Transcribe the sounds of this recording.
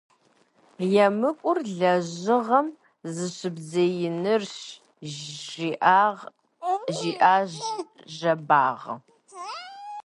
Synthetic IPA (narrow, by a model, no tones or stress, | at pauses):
jɛmɨkʷʼʊrɮɐʑɪʁɐm | zɨɕɨbzɐjɪnɨrɕ | ʒiʔaʁ | ʒiːʔaːʒ | ʒɐba̰ːʁə